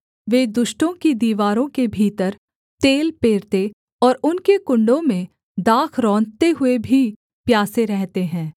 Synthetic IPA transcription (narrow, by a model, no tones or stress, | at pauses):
ʋeːd̪ʊʃʈõkid̪iːʋaːɾõkebʱiːt̪əɾ | t̪eːlpeːɾt̪e | ɔːɾʊnkekʊ̃ɳɖõmẽ | d̪aːkʰɾɔ̃ːnt̪eɦʊebʱi | pjaːseɾɛɦt̪eɦɛ̃ː